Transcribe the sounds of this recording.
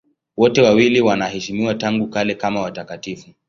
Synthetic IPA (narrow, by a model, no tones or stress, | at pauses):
wɔtɛwawiliwanahɛʃimiwataŋɡukalɛkamawatakatifu